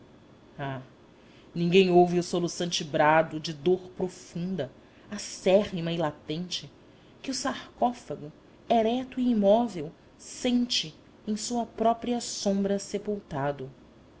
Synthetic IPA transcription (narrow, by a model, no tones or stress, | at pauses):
a | nĩŋɡẽj̃owvɪʊsolusɐ̃nt͡ʃɪbɾad̪ʊd͡ʒɪd̪oχpɾofũnd̪ɐ | asɛʁimɐɪlat̪ẽnt͡ʃɪ | kɪʊsaɾkɔfɐɡʊ | ɛɾɛt̪ʊiːmɔvew | sẽnt͡ʃɪ | ẽj̃suɐpɾɔpɾiɐsõmbɾɐsepuwt̪ad̪ʊ